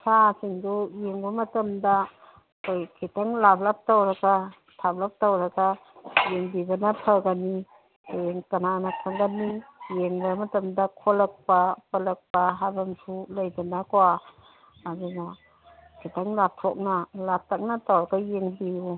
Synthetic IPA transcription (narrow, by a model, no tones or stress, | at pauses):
sʰasiŋdujeŋbɐmɐtamda | kʰojkʰitaŋlablap̚tawɾaɡa | tʰab̚lap̚tawɾɐɡajeŋbibɐnapʰaɡani | eŋkɐnanapʰaŋɡanijeŋbamɐtɐmdakʰolɐk̚papɐlɐk̚paɦabamsʰulajdanakowaː | duna | kʰitaŋlap̚tʰɔ̰k̚nalap̚tak̚natawɾɐɡajeŋbiju